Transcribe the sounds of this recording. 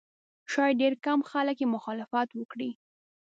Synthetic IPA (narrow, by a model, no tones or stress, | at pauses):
ʃɑjɖeɾkamxaləkjemʊxɑlɪfat̪wəkɽi